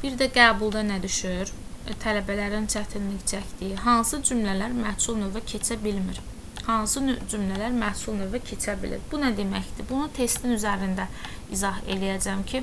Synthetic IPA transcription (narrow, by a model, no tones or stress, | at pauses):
b̥iɾd̪æɡæːbulˠd̪ɑnæd̪yʃyɾt̪ʰælæbælæɾint͡ʃʰæt̪ʰinliçt͡ʃʰæcd̪ijiɦɑnsɯd͡ʒumlælæɾmæhsulˠnøvæcʰe̞t͡ʃʰæbilmiɾ | hɑnsɯd͡ʒumlælæɾmæhsulˠnøvæcʰe̞t͡ʃʰæbḭlḭɾbunæd̪e̞mæçd̪ibunut̪ʰe̞st̪inyzæɾind̪æizɑɦe̞lijæd͡ʒæmcʰi